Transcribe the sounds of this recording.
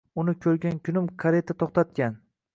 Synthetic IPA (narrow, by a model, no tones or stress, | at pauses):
ʊnɪkʲʰɵɾɡʲankʲʰʊnɪmkʰaɾe̞t̪ʰat̪ʰoχt̪at̪̚kʲan